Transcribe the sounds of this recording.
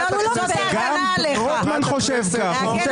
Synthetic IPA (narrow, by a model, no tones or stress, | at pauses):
ɡam | ɔt̪manχoʃɛvkaχa